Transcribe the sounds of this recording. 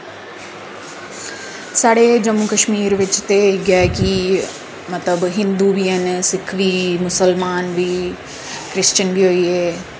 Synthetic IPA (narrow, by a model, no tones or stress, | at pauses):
saːɽed͡ʒəmːukəʃmiːɾʋɪt͡ʃt̪eɡaːki | mɐt̪ləbɦɪ̃nd̪ubʱiənsɪkʰʋiːmʊsəlmaːnbʱiː | kɾɪst͡ʃənbʱiɦoːiːeː